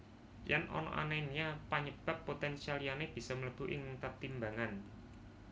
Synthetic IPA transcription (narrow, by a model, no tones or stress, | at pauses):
janʔɔ̰nɔ̰ʔa̰nainɲapaɲəb̥a̤p̪ːot̪ɛnsialijaneb̥i̤sɔmələb̥ṳʔɪŋt̪ərt̪imbaŋan